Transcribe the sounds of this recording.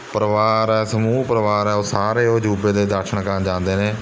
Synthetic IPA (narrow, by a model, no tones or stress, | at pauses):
pəɾəʋaːɾɛːsəmuːpəɾəʋaːɾɛːoːsaːɾeːoːd͡ʒuːbeːd̪eːd̪əɾʃəɽɳkənd͡ʒãːnd̪eːneː